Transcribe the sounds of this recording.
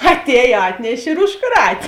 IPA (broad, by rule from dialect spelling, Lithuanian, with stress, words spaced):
ɐtʲˈɛːj ˈɑːtʲnʲɛʃʲ ɪr ʊʃˈkrɐtʲ